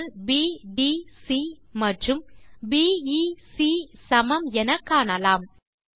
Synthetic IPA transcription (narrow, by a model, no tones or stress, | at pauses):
lbiːɖisimɐʈrɯmbiːisisɐmɐmɛnɐkːaːɳɐlaːm